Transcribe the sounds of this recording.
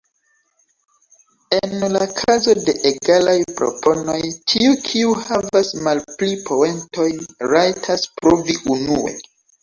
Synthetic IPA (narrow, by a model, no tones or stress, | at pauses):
e̞nlakʰazo̞de̞ʔeɡalajpɾo̞̰pʰo̞no̞jtʰiukʰiuhavasmalplipʰo̞entʰo̞jɾajtʰaspɾoviunue̞̰